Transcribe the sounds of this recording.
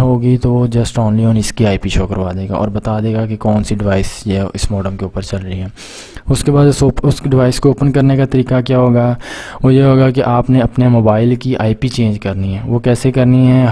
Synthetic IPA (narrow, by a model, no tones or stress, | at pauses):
ɦoːɡit̪ood͡ʒɐsʈɔːnliɔ̃ːnɪskiaːipiʃoːkəɾʋaːd̪eːɡa̰ʔɔ̰ːɾbɐt̪ad̪eːɡakekɔːnsiɖɪʋaːɪsjeʔɪsmɔːɖəmkeuːpəɾt͡ʃɐlɾəɦiɦɛː | ʊskebaːd̪oːʊsɖɪʋaːɪskːpənkɐɾnekat̪ɐɾiːkakjaɦoːɡaʋojeɦoːɡak̬eʔaːpneɐpnemoːbaːɪlkiʔaːipit͡ʃẽːnd͡ʒkɐɾniɦɛ̃ːʋokɛːsekɐɾniɦɛ̃